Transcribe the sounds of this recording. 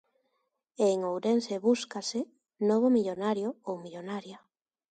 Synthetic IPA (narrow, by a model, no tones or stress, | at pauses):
eŋowɾenseβuskasɪ | noβ̞omiʎonaɾjoowmiʎonaɾja